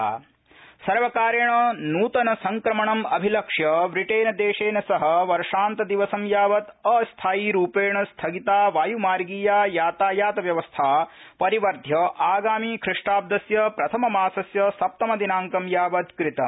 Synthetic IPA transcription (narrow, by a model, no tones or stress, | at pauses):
sɐɾʋɐkaːɾjɐɳɐnuːt̪ɐnɐsɐŋkɾɐmɐɳɐmɐbʱilɐkʂjɐʋɾiʈeːnɐd̪eːʂeːnɐsɐɦɐ̆ʋɐɾʂaːnt̪ɐd̪iʋɐsɐmjaːʋɐt̪ɐːst̪ʰaːjiɾuːpeːɳɐst̪ʰɐɡit̪aːʋaːjumaːɾɡiːjaːjaːt̪aːjaːt̪ɐʋjɐʋɐst̪ʰaː | pɐɾiʋɐɾd̪ʱjɐʔaːɡaːmiːkʰɾɪʂʈaːb̚d̪ɐsjɐpɾɐt̪ʰɐmɐmaːsɐsjɐsɐp̚t̪ɐmɐd̪inaːŋkɐmjaːʋɐd̪kɾit̪ɐ